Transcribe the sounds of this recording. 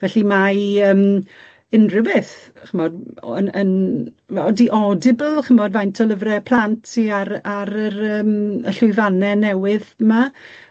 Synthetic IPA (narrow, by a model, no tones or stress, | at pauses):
vɛɬimaəːm | ɪnrɪwɪθ | χəmɔdənən | ɔdiʔɔdɪbəlˠχəmɔdvajntʰɔlˠəvrɛpʰl̥ˠantʰsiaɾaɾəɾəːməɬʊɨðanɛnɛwɪðəma